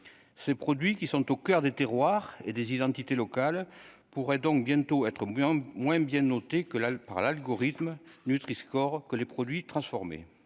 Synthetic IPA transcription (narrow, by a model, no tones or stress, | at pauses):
sepχɔd̪ɥikʲisɔ̃t̪okœʁd̪et̪eʁwaʁed̪ezid̪ɑ̃t̪it̪elɔkal | puʁɛd̪ɔ̃k̚bjɛ̃t̪oɛt̪χəmwɛ̃bjɛ̃nɔt̪ekəpaʁlalɡɔʁit̪mnyt̪χiskɔʁkəlepχɔd̪ɥit̪χɑ̃sfɔʁmḛ